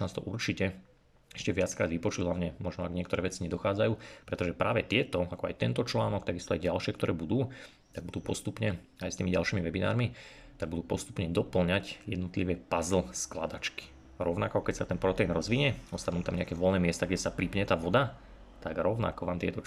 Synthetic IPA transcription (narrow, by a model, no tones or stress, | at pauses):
naːst̪ɔ̰ʔuɾt͡ʃicɛ | ɛʃcɛʋɪat͡skɾaːd̪ʋipɔt͡ʃuɦlaʋɲɛmɔʒnɔaɡɲɪɛkt̪ɔɾɛːʋɛt͡siɲɛd̪ɔxaːd͡zajuːpɾɛt̪ɔʒɛpɾaːʋɛt̪ɪɛt̪ɔakɔajt̪ɛnt̪ɔt͡ʃlaːnɔkt̪aɡist̪ɔajɟalʃɪɛkt̪ɔɾɛːbud̪uː | t̪aɡ̚bud̪uːpɔst̪upɲɛ | ajst̪iːmiɟalʃiːmiʋɛbina̰ːɾmi | t̪aɡ̚bud̪uːpɔst̪u̥pɲɛd̪ɔpl̩ɲacjɛ̰d̪nɔt̪liʋɛpazl̩skla̰d̪at͡ʃki̥ | ɾɔʊnakɔkɛcsat̪ɛnpɾɔt̪ɛinɾɔzʋiɲɛɔst̪anuːt̪amɲɛa̰kɛːʋɔlnɛːmɪɛst̪aɡɟɛsapɾipɲɛt̪aːʋɔd̪a | t̪aɡɾɔʊna̰kɔʋaːmt̪ɪɛt̪ɔ